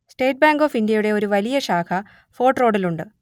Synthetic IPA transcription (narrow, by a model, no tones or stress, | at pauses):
sʈe̞ːʈ̚baːŋɡo̞ːfindijɐjuɽe̞o̞ɾuʋɐlijɐɕaːkʰɐ | fo̞ːʈro̞ːɽiluɳɖɨ